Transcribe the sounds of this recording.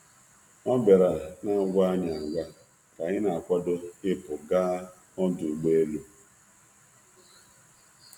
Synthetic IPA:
ɔ˦be˨ɾa˨na˦ɡʷa˦a˦ɲa˨ɡʷa˦ | ka˨ɲɪ˦na˨a˨kʷɔ˦do˦ɪ˦pʊ˨ɡaː˦ | ɔ˦du˨ɡ͡be˦e˦lo˦

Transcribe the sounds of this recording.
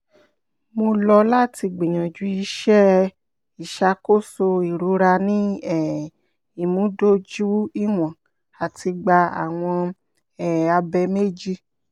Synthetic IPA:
mo˧lɔ˧la˦ti˧ɡ͡bĩ˨ɲã˨d͡ʒu˨˦i˧ʃɛ˦ | i˨ʃa˧˦ko˦so˧i˨ɾu˨˦ɾa˧nĩ˦ɛ˦˨ | i˨mũ˨˦do˦d͡ʒu˦i˦w̃ɔ̃˨ | a˨ti˧ɡ͡ba˧a̰˨w̃ɔ̃˧ | ɛ˨a˧bɛ˧me˦d͡ʒi˧

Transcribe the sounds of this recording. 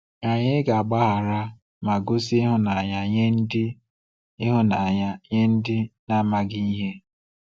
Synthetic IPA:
a˨ɲɪ˦ɡa˨a˨ɡ͡ba˦ɦa˨ɾa˦ | ma˨ɡʊ˦si˦ɪ˦ɦʊ˦na˨ɲa˦ɲe˦n̩˦dɪ˦ | ɪ˦ɦʊ˦na˨ɲa˦ɲe˦n̩˦dɪ˦na˦˨ma˨ɡɪ˦i˦ɦe˦

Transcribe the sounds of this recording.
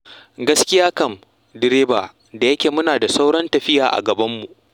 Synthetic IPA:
ɡɐ˦skʲɪ˦jaː˦kɐ˦˨m | dɪ˦ɾeː˦baː˨ | da˨jɐ˦kʲeː˨mʊ˦naː˨da˨sa˦wɽɐ˦ntɐ˨ɸɪ˦jaː˨ʔa̰˨ɡɐ˨bɐ˦mːu˨ʔ

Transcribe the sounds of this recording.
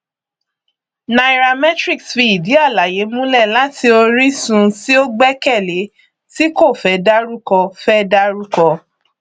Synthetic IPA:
na˨ɾa˧mɛ˦tɾi˦˨ksfi˧i˨di˨˦a˦˨la˨je˨˦mũ˦lɛ˦˨la˦tʰi˧o˧ɾi˦sũ˦si˦o˦ɡ͡bɛ˦kɛ˦˨le˨˦ | ti˦ko˦˨fɛ˦da˦ɾu˦kɔ˧fɛ˦da˦ɾu˦kɔ˧

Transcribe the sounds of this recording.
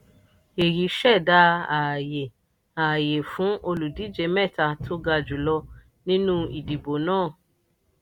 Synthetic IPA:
e˨ɾi˨˦ʃɛ˦˨da˧˦a˨je˨ | a˨je˨fũ˨˦ʔo˧lu˨di˨˦d͡ʒe˧˦mɛ˦˨ta˧tʰo˦ɡa˧d͡ʒu˨˦lɔ˧ | nĩ˦nũ˦i˨di˨bo˨nãː˦˨

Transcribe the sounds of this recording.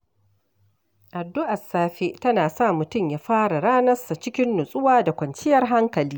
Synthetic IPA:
ʔa˨dːʊ˦ʔa˨sːaː˦ɸe˦tɐ˦naː˨sa˦˨mʊ˨tʊ˦˨mjaː˦ɸaː˦ɽa˨ɽaː˦nɐ˦sa˨t͡ʃɪ˦kʲɪ˦nːʊ˨sʼʊ˦waː˦da˨kʷɐ˨nt͡ʃɪ˦jɐ˦rɦa˦ŋkɐ˨liː˦

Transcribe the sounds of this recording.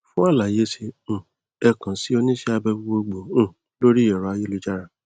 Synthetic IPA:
fũ˦a˦˨la˨je˦sẽ˧˦˨ | ɛ˧kã˨si˦o˧nĩ˦ʃɛ˧˦a˧bɛ˧bu˧˦ɡ͡bo˧ɡ͡bõ˨˦˨ | lo˦ɾi˦ɔ˨ɾɔ˨˧a˧je˦lu˦d͡ʒa˦ɾa˨

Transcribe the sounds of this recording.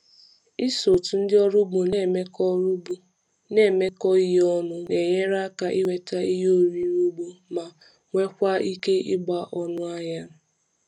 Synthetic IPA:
i˦so˨tu˨n̩˦dɪ˦ɔ˦ɾʊ˦bo˨˦˨me˦k | ne˦˨me˦kɔ˦i˦ɦɔ˦nʊ˦ne˨ɲe˦ɾa˦ka˨ʔi˦we˨ta˦i˦ɦo˦ɾi˦ɾu˦ɡ͡bo˦ma˨ | ŋʷe˦kʷa˦i˦ke˦ɪ˦ɡ͡ba˦˨ʔɔ˦nʊ˦a˦ɲa˦

